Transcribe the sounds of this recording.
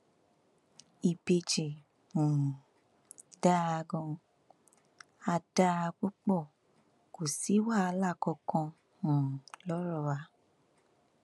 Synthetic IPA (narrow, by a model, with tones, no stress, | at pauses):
i˨be˧t͡ʃe˨ | ũ˨ | da˦a˧ɡɔ̃˧ | a˧da˧a˧k͡pu˦k͡pɔ˦˨ | ko˨si˨˦wa˦˨a˧la˦˨kɔ˧kɔ̃˧ | ũ˨lɔ˦ɾɔ˦˨wa˨˦